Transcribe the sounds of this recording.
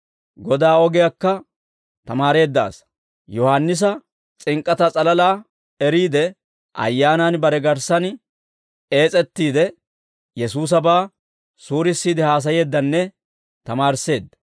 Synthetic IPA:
ɡɔd̪aːɔɡɪjakːɐ | t̪ɐmaːɾe̞ːd̪ːa̰ːs | jɔhɐnːɪs̬ɐ | t͡sʼɪŋkʼːɐt̪ɐt͡sʼɐlɐlaː | ɛɾiːd̪ɛ | ʔɐ̰jːaːnɐnbɐɾɛɡɐɾsɐn | e̞ːt͡sʼɛt̪ːiːd̪ɛ | jɛsuːs̬ɐbaː | suːɾɪsːiːd̪ɪhaːs̬ɐje̞ːd̪ːɐnːɛ | t̪ɐmaːɾse̞ːd̪ːɐ

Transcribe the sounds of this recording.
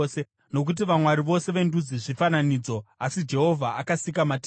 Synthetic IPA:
se | no̞k̬ut̬iʋamwaɾiʋo̞se̞ʋe̞ndud͡ziʐifananiːd͡zo̞asid͡ʒe̞ɦo̞vʱaakasikamatː

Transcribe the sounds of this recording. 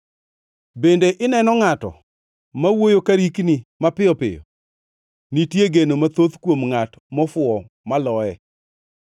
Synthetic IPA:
bendeʔɪnɛnɔŋatɔ̰ | mawojokaɾiknimapɪɔpɪ̰jɔ̰ | nitjeɡenomat̪ot̪kwomŋat | mɔfʊɔ | malɔɛ

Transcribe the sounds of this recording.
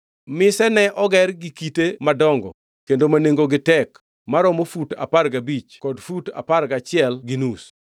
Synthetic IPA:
mɪsɛnɛʔɔɡɛrɡikitemadɔŋɡɔ̰ | kendomaneŋɡoɡɪtɛk | maɾɔmofuta̰parɡabit͡ʃkɔdfuta̰parɡat͡ʃɪɛlɡinus

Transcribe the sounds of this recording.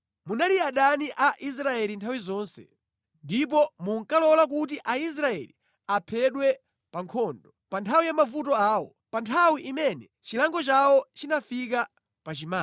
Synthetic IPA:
munaliaɗaniʔaʔis̬ɾaɛlintʰawizɔːnsɛ̰ | ndip̬ɔmuŋkalɔlak̬ut̬iʔais̬ɾaɛ̰li | apʰɛɗwɛ | paŋkʰɔːndɔpantʰawijamavutɔaːwɔ̰ | pantʰawiʔimɛnɛ | t͡ʃilaŋɡɔt͡ʃawɔt͡ʃinafik̬a | pat͡ʃimaː

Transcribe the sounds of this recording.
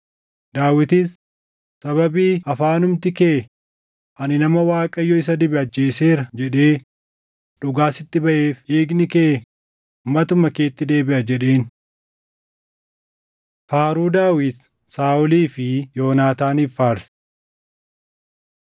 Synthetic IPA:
d̪̥aːwɪt̪iːs | sɐβɐbiːɐfaːnʊmt̪ɪkeː | ʔɐnɪnɐmɐwaːkʼɐjːɔɪs̬ɐd̪ɪbɪɐd͡ʒːe̞ːse̞ːɾɐd͡ʒɛᶑeː | ᶑʊɡaːsɪt̪ːɪbɐʔe̞ːfeːɡnɪkeː | ʊmːɐt̪ʊmːɐke̞ːt̪ːɪd̪e̞ːbɪʔɐd͡ʒɛᶑe̞ːn | faːɾuːd̪aːwɪt̪ | saːʔʊliːfɪjo̞ːnaːt̪aːnifːaːɾs

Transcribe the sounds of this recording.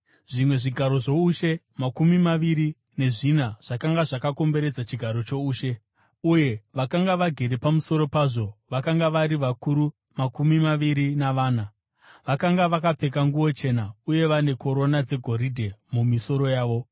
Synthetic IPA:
ʐ̥imwe̞ʐiɡʱaɾo̞ʐo̞uʃe̞ | makumimaʋiɾi | ne̞ʐinaʐ̥akaŋɡaʐakako̞mbe̞ɾe̞d͡zat͡ʃiɡʱaɾo̞t͡ʃo̞uːʃe̞ | uje̞ʋakaŋɡaʋaɡʱe̞ɾe̞pamuso̞ɾo̞paːʐo̞ʋakaŋɡaʋaɾiʋakuɾu | makumimaʋiɾinaʋaːna | ʋakaŋɡaʋakap͡fe̞kaŋɡuwo̞t͡ʃe̞nauje̞ʋane̞ko̞ɾo̞nad͡ze̞ɡʱo̞ɾidʱe̞mumiso̞ɾo̞jaːʋo̞

